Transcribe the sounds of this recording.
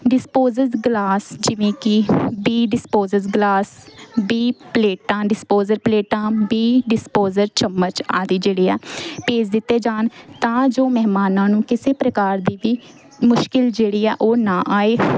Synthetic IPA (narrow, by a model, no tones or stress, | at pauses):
ɖɪspoːzəɾzɡlaːsd͡ʒɪʋẽːkɪbiːɖɪspoːzəɾzɡlaːsbiːpleːʈãːɖɪspoːzəɾpleːʈãːbiːɖɪspoːzəɾt͡ʃəmːəɾt͡ʃaːd̪iːd͡ʒeːɽiːɛːpeːd͡ʒd̪ɪt̪ːeːd͡ʒaːnt̪ãːd͡ʒoːmɛɦmaːnãːnũːkɪseːpɾəkaːɾd̪iːʋiː | mʊʃkɪld͡ʒeːɽiːɛːʔoːnãːʔaːeː